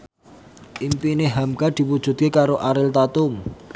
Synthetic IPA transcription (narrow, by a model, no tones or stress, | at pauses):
ʔimpineɦamkad̪̥i̤pud̥ʒ̥ṳt̪̚kekaɾoʔaɾɪlt̪at̪ʊm